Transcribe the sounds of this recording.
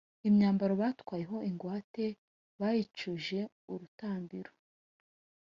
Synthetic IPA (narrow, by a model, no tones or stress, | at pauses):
imɲaːmbaɾoβatwaːje̞ɦo̞ʔiŋɡwaːte̞ | βajit͡ʃuʒe̞ | uɾutaːmbiɾo